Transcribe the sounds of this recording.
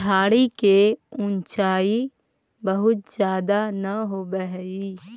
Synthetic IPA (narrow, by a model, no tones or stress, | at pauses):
aːɽikeʊ̃nt͡ʃaːi | bɐɦʊt̪̚d͡ʒjaːd̪anɐɦoːbəɦi